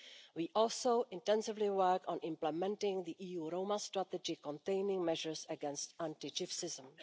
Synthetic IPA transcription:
wiːʔɔlsoʊʔɪ̃ntɛ̃nsɪvlɪwɜ˞kɔ̃nʔɪ̃mplɛmɛ̃ntɪ̃ŋðiʔiːjuːɾoʊmastɹat̪ɛd͡ʒɪkɔ̃ntẽɪnɪ̃ŋmɛʒəɹsəɡɛ̃nstãntɪd͡ʒɪfsɪzə̃m

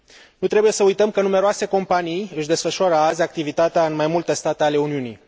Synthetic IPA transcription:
nut̪ɾe̞buje̞səujt̪əmkənume̞ɾoase̞ko̞mpanijɨʃʲd̪e̞sfəʃuaɾəazʲak̚t̪ivit̪at̪eaɨnmajmult̪est̪at̪eale̞uniuni

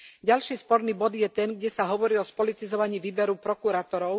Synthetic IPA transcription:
ɟalʃiːspɔɾniːbɔd̪jɛt̪ɛnɡɟɛsaɦɔʋɔɾiːɔspɔlit̪izɔʋaɲiːʋiːbɛɾupɾɔkuɾaːt̪ɔɾɔʊ

